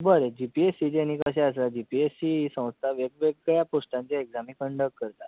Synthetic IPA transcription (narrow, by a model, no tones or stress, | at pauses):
bəɾed͡ʑipiesid͡ʑeñĩkəɕ̬ɛəs̬lad͡ʑipiesiisə̃w̃st̪ʰaʋeɡʋeɡjaposʈãɲt͡ɕjaeɡzamiːkəɳɖəkːəɾt̪at̪